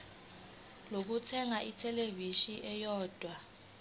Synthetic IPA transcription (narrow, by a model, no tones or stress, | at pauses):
lok̬utʰɛŋaʔitʰɛleviʃiʔɛjɔːd̥ʱwa